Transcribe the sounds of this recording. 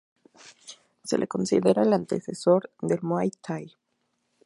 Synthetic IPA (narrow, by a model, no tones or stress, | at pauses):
se̞̰lʔeko̞nsḭðeɾaelant̪e̞seso̞ɾðd̪e̞lmoajt̪ʰaj